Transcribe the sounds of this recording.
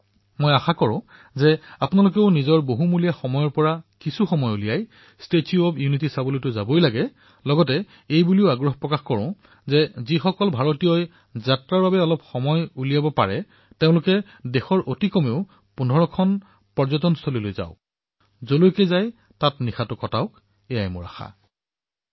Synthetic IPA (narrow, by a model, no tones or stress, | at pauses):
mojaxakɔɹɔ̃ | zɛapʊnalʊk̬eʊnizɔɹboɦumulijaxɔmɔjɔɹpɔɹakisuxɔmɔjulijaj | stetʰuɔbjunitisabolotʊza̰bojlaɡɛ | lɔɡɔtɛ | ejbuliʊaɡɹɔɦpɹɔkaxkɔɹɔ̃ | zɛzixɔkɔlbʱaɹotijɔj | zatɹaɹbabɛɔlɔpxɔmɔjulijabɔpa̰ɹɛ | teʊ̃lʊkɛ | dɛxɔɹʔotikɔmeʊ | punʱɔɹɔkʰɔn | pɔɹzɔtɔnst̪ʰolilojza̰ʊ | zolojkɛzaj | tatnixʰatʊkɔtaʊk | ejajmʊ̰ɹa̰xa̰